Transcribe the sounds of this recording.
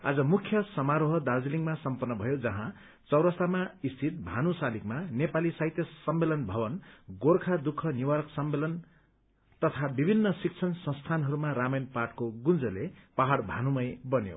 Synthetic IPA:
a̰d͡zʌmukʰjʌsʌmaɾoɦʌd̪ad͡ziliŋɡmasʌmpʌnːʌbʱʌjod͡zʌɦã | t͡sʌwɾʌsamaist̪ʰit̪̚bʱanusalikmanepalisaɦjt̪jʌsʌmːelʌnbʱʌbʌnɡorkʰad̪ukʰːʌniwaɾʌksʌmːelʌn | t̪ʌt̪ʰabibʱinːʌsik̚t͡sʰʌnsʌ̃st̪ʰanɦʌɾumaɾamʌjnpaʈkoɡund͡zʌlepaɦaɽbʱanumʌjbʌnjo̰

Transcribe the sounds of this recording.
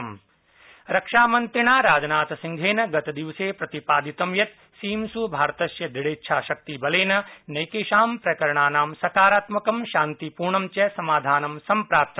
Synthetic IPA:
m | ɾɐkʂaːmɐnt̪ɾiɳaːɾaːd͡ʒɐnaːt̪ɐsiŋɡʱeːnɐɡɐt̪ɐd̪iʋɐseːpɾɐt̪ipaːd̪ʱit̪ɐmjɐt̪ | siːmsubʱaːɾt̪ɐʃjɐd̪iɽeːtːʃʰaːʃɐk̚t̪ibɐleːnɐnɐjkeːʃaːmpɾɐkɐɾɐɳaːnaːmsɐkaːɾaːt̪mɐkɐmʃaːnt̪ipuːɾɳɐmt͡ʃɐsɐmaːd̪ʱaːnɐmsɐmpɾaːp̚t̪ɐ

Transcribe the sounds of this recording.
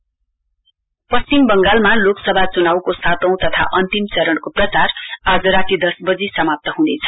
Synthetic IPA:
pʌst͡simbʌŋɡalmaloksʌbʱat͡sunawkosat̪ʌ̃w̃t̪ʌt̪ʰa̰ʔʌnt̪imt͡sʌɾʌɽkoprʌt͡sarad͡zʌɾat̪id̪ʌsbʌd͡zisʌmap̚t̪ʌɦũd̪et͡sʰʌ̥

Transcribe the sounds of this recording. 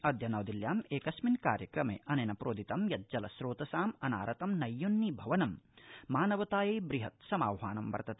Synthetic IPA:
ɐd̪ʱjɐnɐːd̪iljaːmeːkɐsminka̰ːɾjɐkɾɐmḛːʔɐneːnɐpɾoːd̪it̪ɐmjɐt̪̚d͡ʒɐlɐsɾoːt̪ɐsaːmɐna̰ːɾɐt̪ɐmnɐjːonːibʱɐʋɐnɐmmaːnɐʋɐt̪aːjeːbɾiɦɐt̪sɐma̰ːwɦaːnɐmʋɐ̰ɾt̪ɐt̪eː

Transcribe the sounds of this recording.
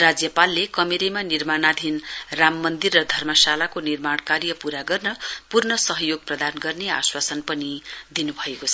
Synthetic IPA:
rad͡zjʌpalːekʌmeɾemanirmanad̪ʱinramːʌnd̪irːʌd̪ʱʌrmʌsalakonirmaɽ̃karjʌpuɾaɡʌrnʌpurnʌsʌɦʌjoɡ̚prʌd̪anɡʌrnea̰swasʌnpʌnid̪inubʱʌekot͡sʰʌ

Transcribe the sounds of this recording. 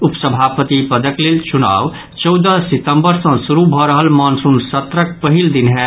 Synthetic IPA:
upsəbʱapət̪ipəd̪əklelt͡ʃuna̰ːʋ | t͡ʃɔwd̪əsit̪əmbəɾsə̃suɾubʱɔɾəɦəlmɔnsunsət̪ɾəkpəɦild̪inɦɛ

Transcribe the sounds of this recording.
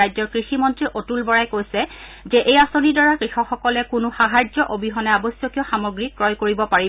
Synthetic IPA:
ajzɔɹkɹiximɔntɹiʔotulbɔɹajkojsɛzɛʔejasonidɔɹakɹixɔkxɔkɔlɛkʊnʊxaɦad͡ʒzɔʔobiɦɔnɛabɔsjɔkijɔxamoɡɹikɹɔjkoɹibɔpaɹi

